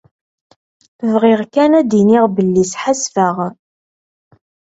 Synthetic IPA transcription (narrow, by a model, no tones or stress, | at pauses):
vʁɪʁkænæd̪iniʁbəlːisħasfəʁ